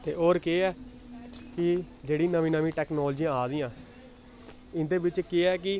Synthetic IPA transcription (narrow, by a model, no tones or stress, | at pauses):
t̪ḛːʔoːɾkeːɛː | kɪ | d͡ʒeːɽĩːnəʋĩːnəʋĩːʈɛːknɔːləd͡ʒijãːaːd̪iːãː | ɪnd̪eːbɪt͡ʃkeːɛːk̬ɪ